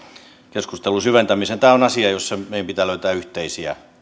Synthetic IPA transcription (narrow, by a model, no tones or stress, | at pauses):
keskust̪elusyʋent̪æmisent̪æːonɑsiɑjosːɑmeijæmpit̪æːløyt̪æːyht̪eisiæ̰